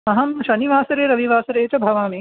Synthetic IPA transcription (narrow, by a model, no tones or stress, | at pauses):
mɐɦɐmʃɐniʋaːsɐɾeːɾɐʋiʋaːsɐɾeːt͡ʃɐbʱɐʋaːmi